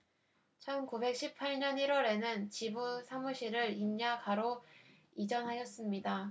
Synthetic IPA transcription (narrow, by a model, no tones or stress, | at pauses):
t͡ɕʰʌnkube̞k̚ɕ͈ʰipʰaɭɲʌniɾwʌɾe̞nɯnt͡ɕibusʰamuɕʰiɾɯɾinɲakaɾo | id͡ʑʌnɦaɕʌs͈ɯmɲida